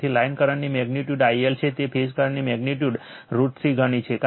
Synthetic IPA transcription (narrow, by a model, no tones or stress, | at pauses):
t̪ʰilainkəɾəɳnimɛɡniʈjuɖaielt͡ʃʰet̪epʰeskəɾəɳnimɛɡniʈjuɖ | ɾuʈsiɡʱəɽ̃it͡ʃʰeka